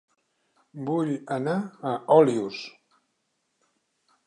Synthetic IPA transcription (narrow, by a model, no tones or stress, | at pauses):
buʎənaəʔɔlius